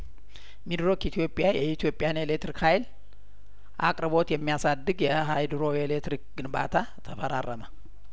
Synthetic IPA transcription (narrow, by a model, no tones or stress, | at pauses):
mid̪ɾo̞kit̪ʰijo̞pʼjajɛit̪ʰijo̞pʼɪjanelekt̪ɾikhajl | ʔa̰kʼɾɨbo̞t̪jɛmːijasad̪ːɨɡjɛɦajd̪ɾo̞elet̪ɾik̚ɡɨnba̰t̪ʰa | t̪ʰəfəɾa̰rːəmə